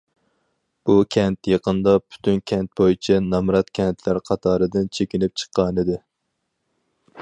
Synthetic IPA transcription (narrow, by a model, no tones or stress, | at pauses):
b̥ukʲʰɛnt̪jeqənd̪ɑpʰy̥t̪ʰynkʲʰɛnt̪̚bojit͡ʃʰɛnɑmɾɑt̪kʲʰɛnt̪ʰlæɾqʰɑt̪ʰɑːɾɨd̪ɪnt͡ʃʰekʲinɪp̚t͡ʃʰə̥qːɑnɨd̪ɪ